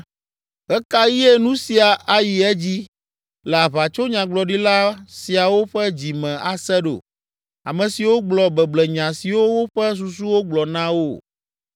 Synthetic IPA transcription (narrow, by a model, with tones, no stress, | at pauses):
ɣɛ˦ka˦ji˦e˦nũ˦si˨a˨ʔa˨ji˨ɛ˦d͡ʑi˦ | lɛ˨a˨βa˨t͡ʃo˦ɲã˨ɡ͡blɔ˨ɖi˦la˦si˨a˨wo˦ɸɛ˦d͡ʑi˨mɛ̃˨a˨sɛ˦ɖo̰˨ | a̰˨mɛ̃˨si˨wo˦ɡ͡blɔ˨bɛ˨blɛ˨ɲã˨si˨wo˦wo˦ɸɛ˦s̬u˨s̬u˦wo˦ɡ͡blɔ˨nã˦wo˦˨